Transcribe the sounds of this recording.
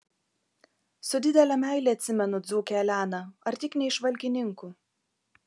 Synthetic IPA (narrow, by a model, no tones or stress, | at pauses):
sʊd̪ʲɪd̪ʲɛlʲɛmʲæˑɪlʲɛːɐt̪ʲsʲɪmʲɛnʊd̪zuːkʲɛlʲæːnɐɐɾt̪ʲɪknʲɛɪʃʋɐlʲkʲɪnʲɪŋkuː